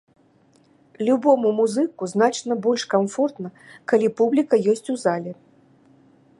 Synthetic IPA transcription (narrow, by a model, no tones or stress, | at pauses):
lʲubɔmumuzɨkuznat͡ʂnɐbɔlʲʂkamfɔrt̪nɐ | kalʲipublʲikɐjɔsʲt͡sʲuzalʲɛ